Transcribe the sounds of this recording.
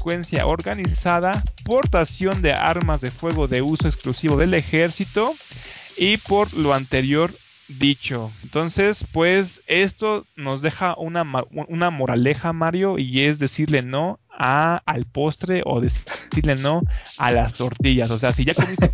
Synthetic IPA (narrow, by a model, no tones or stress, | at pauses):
kwensja̰ʔo̞ɾɣanisaðapo̞ɾt̪asjo̞nd̪e̞ʔa̰ɾmazðe̞fwe̞ɣo̞ðe̞uso̞eksklusiβo̞ðe̞le̞xe̞ɾsit̪o̞ | ipo̞ɾlo̞ant̪e̞ɾjo̞ɾ | ðit͡ʃo̞ent̪o̞nse̞spwe̞se̞st̪o̞no̞zðe̞xaʔunamaunamo̞ɾale̞xamaɾjo̞ʔie̞zðe̞siɾle̞no̞aːlpo̞st̪ɾe̞ʔo̰ðesiɾle̞no̞alast̪o̞ɾt̪iʝaso̞s̬e̞asiʝakoni